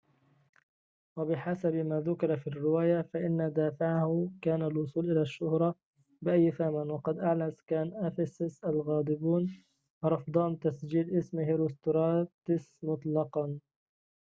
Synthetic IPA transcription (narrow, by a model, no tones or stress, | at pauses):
wabɪħasabmaːðʊkɪɾˤɑfiːrːɪwaːjafaʔɪnːad̪aːfɪʕahʊkaːnalwʊsˤuːlʔɪlaʃːʊhɾˤɑ | bɪʔajːfamanwɑqɑd̪ʔaʕlaskaːnʔafɪsɪsʔalɣɑːd̪ˤɪbuːn | ɾˤɑfd̪ˤɑːnt̪asd͡ʒiːlʔɪsmɪhɾʊst̪ʊɾˤɑːt̪ɪsmʊt̪ˤlɑqɑn